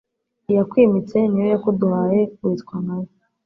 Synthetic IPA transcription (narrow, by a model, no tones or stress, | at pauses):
ijakwiːmit͡se̞niɾojakoduhajekuitkwanawo